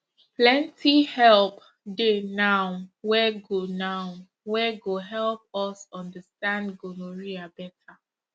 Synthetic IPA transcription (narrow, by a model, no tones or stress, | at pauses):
plɛ̃ntʰihɛlp | denaʊwɛɡonaʊ | wɛɡoɦɛlp̚ɔsɔ̃ndəstãndɡonoɹiabɛtʰa